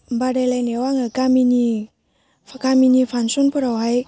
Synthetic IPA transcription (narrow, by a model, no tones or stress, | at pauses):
badajlajnewaŋɯkamini | kaminifʰansɔnpʰɯɾawɦaj